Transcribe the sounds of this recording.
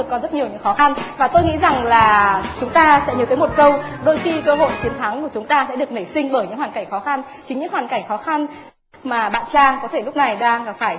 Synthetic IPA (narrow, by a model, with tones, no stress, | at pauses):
kːɔ˨˦zə˦˥t̚ɲi˨˩əwɲɨ̰˧˥ŋxɔ˨˦xa˧nvaː˨˩t̪o˧jŋḭ˧˥za˨˩ŋlaː˨˩t͡ɕʊ˨˦ŋ͡mt̪aː˧sɛ̰˧˥ɲə˨˦t̪ʰə˨˦mo˨˩t̚kə˧wɗo˧jxi˧kəː˧ɦo̰˧˨jt͡ɕi˨˦ənt̪ʰa˨˦ŋku˧˩t͡ɕʊ˨˦ŋ͡mt̪aː˧sɛ̰˧˥ɗɨ˨˩ək̚nə˧˩jsï˧ŋ̟ɓəː˧˩jɲɨ̰˧˥ŋhwaː˨˩ka˧˩jŋ̟xɔ˨˦xa˧n | t͡ɕi˨˦ŋɲɨ̰˧˥ŋhwaː˨˩nka˧˩jŋ̟xɔ˨˦xa˧n | maː˨˩ɓa̰ː˧˨nt͡ɕaː˧kɔ˨˦t̪ʰe˧˩lʊ˦˥k͡p̚na˨˩jɗaː˧ŋ̚˨˩faː˧˩j